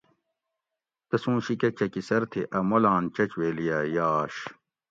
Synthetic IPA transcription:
t̪ɐsũːɕikɐt͡ɕɐkisɐɾt̪ʰeʔɐmolaːnt͡ɕɐt͡ɕweːlijaːjaːɕ

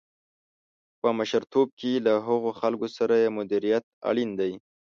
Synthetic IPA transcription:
pəmaʃaɾt̪ob̚kelaɦəɣoxalkosaɾajemʊd̪iɾijat̪̚a̰ɭind̪aj

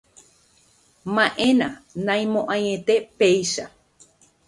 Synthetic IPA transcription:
mãʔẽnãnãj̃mõʔãjẽ̞t̪e̞pe̞jʃa

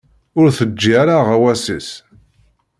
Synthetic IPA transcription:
ʊɾθəd͡ʒːiaɾaʁæwæsis

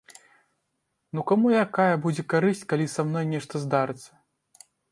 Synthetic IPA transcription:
nukamujakajɐbud͡zʲɛkaɾɨsʲt͡sʲkalʲisamnɔjnʲɛʂt̪ɐzd̪aɾɨt̪sːɐ̥

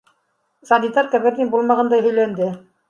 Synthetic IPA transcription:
sɑnit̪ɑɾkæ̆βɘ̆ɾnibulˠmɑʁɑnd̪ɑjɦɵ̆jlænd̪ɘ

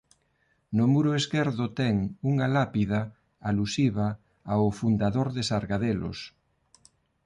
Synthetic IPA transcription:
nʊmuɾʊeskɛɾðʊt̪ɛŋuŋalapiða | alusiβa | aʊfund̪aðoɾðesaɾɣaðelo̰s

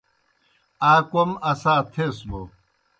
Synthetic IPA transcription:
aːkomɐsaːt̪ʰeːsbo

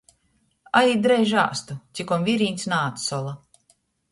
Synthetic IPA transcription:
aɾiːd̪ɾɛjʒa̰ːst̪ut̪sʲikɔmviɾinʲt̪snaːt̪sɔlˠa

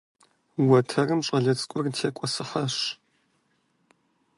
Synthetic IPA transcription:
wɐtʰɐrɨmɕʼɐɮɐt͡sʼkʷʼʊrtʰeːkʷʼɔsɨħɐʂ

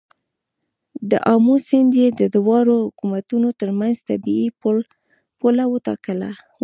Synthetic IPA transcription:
d̪əʔɑmusɪnd̪jed̪əd̪wɑɾohʊkumat̪unot̪əɾmanzt̪abii | polawət̪ɑ̰kəla̰

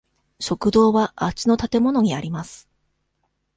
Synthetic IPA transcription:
ɕo̞kɯ̟d̪o̞ːβaʔat͡ɕino̞t̪at̪e̞mo̞no̞ɲ̟iaɾʲimasɨ̥

